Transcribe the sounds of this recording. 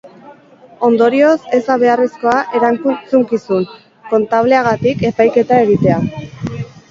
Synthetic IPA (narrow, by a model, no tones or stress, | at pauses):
o̞nd̪o̞ɾio̞se̞zaβ̞e̞aresko̞aʔe̞ɾaŋkut͡suŋkisun | ko̞nt̪aβle̞aɣat̪ike̞pajke̞t̪ae̞ɣ̞it̪e̞a